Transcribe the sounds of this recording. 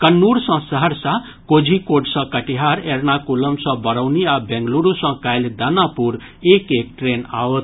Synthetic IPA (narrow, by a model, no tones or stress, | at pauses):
kənːuɾsʌ̃səɦəɾsa | kod͡ʒʱikoɖsʌ̃kəʈiɦaɾeɾnakuləmsʌ̃bəɾəwniabẽŋɡluɾusʌ̃kajld̪anapuɾ | ekek̚ʈɾena̰wt̪